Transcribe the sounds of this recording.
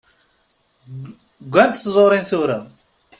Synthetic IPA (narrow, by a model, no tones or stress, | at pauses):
ɡʷːænt̪θzˤoɾˤinθʊɾa